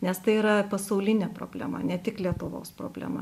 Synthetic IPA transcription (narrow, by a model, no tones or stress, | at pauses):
nʲɛst̪ɐɪiːɾɐpɐsɐʊlʲɪnʲeːpɾo̰ːbʲlʲæ̰mɐ̰nʲɛt̪ʲɪklʲiɛt̪ʊʋo̰ːspɾo̰ːbʲlʲæ̰ːmɐ̰